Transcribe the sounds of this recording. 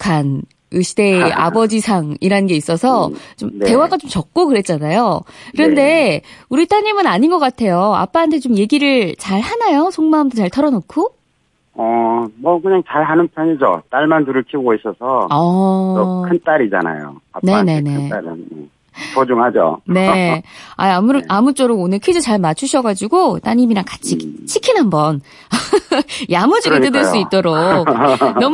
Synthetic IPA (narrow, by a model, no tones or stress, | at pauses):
kʰan | ɯɕʰide̞a̰bʌd͡ʑisʰaŋiɾannɡe̞is͈ʌsʰʌt͡ɕomnte̞waɡat͡ɕomt͡ɕʌk̚k͈okɯɾe̞t̚t͡ɕ͈anajokɯɾʌnde̞uɾit͈ʰaɲimɯnaɲinɡʌk͈atʰe̞joa̰p͈aːntʰe̞t͡ɕomje̞ɡiɾɯɭt͡ɕaɭhanajosʰoŋmamdot͡ɕaɭtʰʌɾʌnokʰo | ʌmʌkɯɲaŋt͡ɕaɭɦanɯnpʰjʌɲid͡ʑo̰t͈aɭmantuɾɯɭkʰiɡois͈ʌsʰʌʌ | kʰɯnt͈aɾid͡ʑa̰na̰jo̰a̰nene̞ne̞aɾiḛ | pod͡ʑuŋɦad͡ʑo̰ne̞a̰jamuɾɯʔamut͡ɕ͈ʌɾoɡonɯɭkʰed͡ʑot͡ɕaɭmat͡ɕʰuɕʰʌɡad͡ʑiɡot͈aɲimiɾakat͡ɕʰikt͡ɕʰikʰinɦambʌn | jamud͡ʑiiɯdeɭs͈uitt͈oɾoknʌm